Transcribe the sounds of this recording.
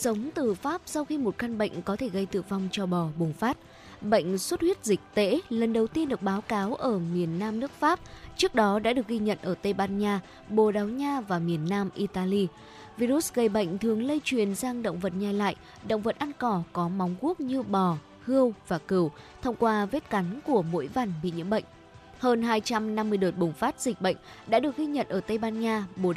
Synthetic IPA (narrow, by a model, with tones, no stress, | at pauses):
sə˨˦wŋ͡mt̪ɨ˨˩faː˦˥p̚sa˧wxi˧mo˨˩t̚xa˧nɓə̰˧˨jŋ̟kɔ˨˦t̪ʰe˧˩ɣə˧jt̪ɨ̰˧˨va˧wŋ͡mt͡ɕɔ˧ɓɔ˨˩ɓʊ˨˩ŋ͡mfaː˦˥t̚ | ɓə̰˧˨jŋ̟swə˦˥t̚hwi˦˥ət̚zï˨˩k̟̚t̪ḛ˧˥lə˨˩nɗə˨˩wt̪i˧ənɗɨ˨˩ək̚ɓaː˨˦wkaː˨˦wʔəː˧˩mi˨˩ənːaː˧mnɨ˦˥ək̚faː˦˥p̚t͡ɕɨ˦˥ək̚ɗɔ˨˦ɗa̰ː˧˥ɗɨ˨˩ə˩k̚ɣi˧ɲə̰˧˨nʔəː˧˩t̪ə˧jɓaː˧nɲaː˧ | ɓo˧˨˩ɗa˨˦wɲaː˧vaː˨˩mi˨˩ənːaː˧mʔi˧t̪aː˧li˧ | vi˧ɾu˦˥t̚ɣə˧˩jɓə̰˧˨jŋ̟t̪ʰɨ˨˩əŋlə˧jt͡ɕwi˨˩ənzaː˧ŋɗə̰˧˨wŋ͡mvə˨˩t̚ɲa˨˩la̰ː˧˨j | ɗə̰˧˨wŋ͡mvə˨˩t̚ʔa˧nkɔ˧˩kɔ˨˦ma˨˦wŋ͡mku˦˥ək̚ɲɨ˧ɓɔ˨˩ | hɨ˧əwvaː˨˩kɨ˨˧˩wt̪ʰə˧wŋ͡mkwaː˧ve˦˥t̚ka˨˦nku˧˩əmo̰˧˥jvaː˧˩nɓḭ˧˨ɲɨ̰˧˥əmɓə̰˧˨jŋ̟ | həː˧nɦaː˧jt͡ɕa˧mna˧mːɨ˧əjɗə˨˩t̚ɓʊ˨˩ŋ͡mfaː˦˥t̚z̥ï˨˩k̟̚ɓə̰˧˨jŋ̟ɗa̰ː˧˥ɗɨ˨˩ək̚ɣi˧ɲə̰˧˨nʔəː˧˩t̪ə˧jɓaː˧nɲaː˧ɓo˨˩